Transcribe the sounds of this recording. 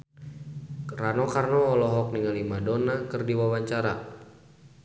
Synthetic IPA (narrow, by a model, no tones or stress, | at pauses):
ranɔkarnɔːlɔɦɔk̚niŋalimadonakɨrdiwawaɲt͡ʃaɾa